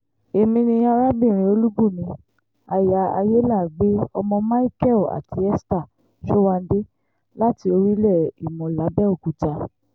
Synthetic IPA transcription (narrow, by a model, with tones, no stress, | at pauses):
e˨mĩ˧nĩ˧a˧ɾa˦bĩ˦˨ɾ̃ĩ˧˦o˧lu˦ɡ͡bu˦˨mĩ˨˧˦ | a˨ja˧a̰˧je˦la˦˨ɡ͡be˦ɔ̰˧mɔ̃˧ma˦i˦kɛ˦˨la̰˨tʰi˨˦ɛ˦sta˦˨ | ʃo˦wa˧n̩˦de˦ | la˦ti˧o˧ɾi˦lɛ˦˨i˨mɔ̃˨la˨˦bɛ˦o˦˨ku˨˦ta˧